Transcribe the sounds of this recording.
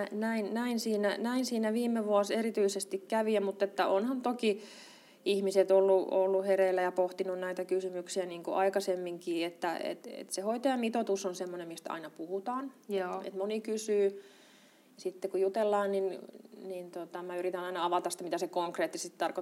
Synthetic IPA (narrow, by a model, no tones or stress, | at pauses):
næinnæinsiːnænæinsiːnæʋiːmːeʋuɑserit̪yisest̪ikkæʋiæmut̪ːet̪ːæʔonhɑnt̪oki | ihmiset̪olːuolːuherelːæjɑpoht̪inunnæit̪ækysymyksiæniːŋkuʔɑikɑsemːiŋkiːet̪ːæḛt̪ḛt̪sehoit̪ɑjɑmit̪ot̪usonsemːonemmist̪ɑ̰inɑpuhut̪ɑːnḛt̪monikysyː | sit̪ːekujut̪elːɑːnninnint̪ot̪ɑmæyrit̪ænɑinɑɑʋɑt̪ɑst̪æmit̪æsekoŋkreːt̪ːisti̥t̪ɑrko